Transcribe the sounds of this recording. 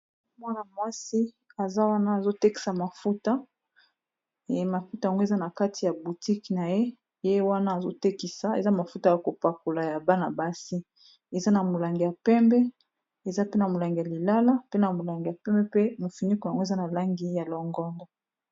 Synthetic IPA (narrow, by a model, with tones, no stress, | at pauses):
mwa˦na˨mwa˦si˦ | a˨za˦wa˦naː˦˨zo˦te˦ki̥˨sa˨ma˨fu˦ta˦˨ | ma˨fu˦ta˨a˨ŋɡo˦e˨za˦na˨ka˦tʰi˨ja˨bu˨ti˦ki˨na˨je˦ | je˦wa˦naː˦˨zo̰˦te˦ki˨sa˨ḛ˨za˦ma˨fu˦ta˨ja˨ko˨pa˨ko˨la˨ja˨ba˦na˨ba˦si˦ | e˨za˦na˨mo˨la˨ŋɡi˨ja˨pɛ˦mbɛ˦ | e˨za˦pe˦na˨mo˨la˨ŋɡi˨ja˨li˨la˦la˦pe˦na˨mo˨la˨ŋɡi˨ja˨pɛ˦mbɛ˦pe˦mo˨fi˨ni˦ko˨ja˨ŋɡo˦e˨za˦na˨la˦ŋɡi˦ja˨lɔ˨ŋɡɔ˦ndɔ˨